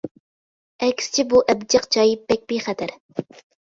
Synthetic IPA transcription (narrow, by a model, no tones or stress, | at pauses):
ɛkʲsɪ̥t͡ʃʰɪbuʔɛbd͡ʒɑqt͡ʃʰɑːjɪp̚ːɛk̚ʲbijχɛt̪ʰɪɾ